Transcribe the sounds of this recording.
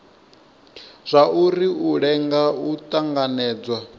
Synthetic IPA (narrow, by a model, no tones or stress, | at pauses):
z̥ʷaʔuɾiuɺɛŋɡautʼaŋɡanɛːd͡zwa